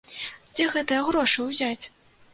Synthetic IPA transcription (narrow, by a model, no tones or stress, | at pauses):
d͡zʲɛɣɛt̪ɐjɐɣɾɔʂɨwzʲat͡sʲ